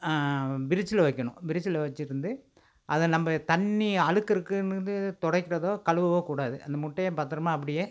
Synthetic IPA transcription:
ʋɪɾɪt͡ʃːɪlɐʋɐɪkːɐɳʊ̰̃ʋɪɾɪt͡ʃːɪlɐʋɐt͡ʃːɪɾɯnd̪ɯ | ʔɐðɛnɐmbɐt̪ɐɳːiɐɻɯkːɪɾɯkːɯnɾɯnd̪ɯt̪ɔɽɐkːɪɾɐðoːkɐɻɯʋɐʋoːkuːɽaːðɯʔɐ̰nd̪ɐmʊʈːɐjepaːɾt̪ɪɾɐmaːɐp̬ːɐɽɪjeː

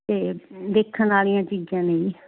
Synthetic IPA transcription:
t̪eːd̪eːkʰənaːlijãːt͡ʃiːd͡ʒãːneĩː

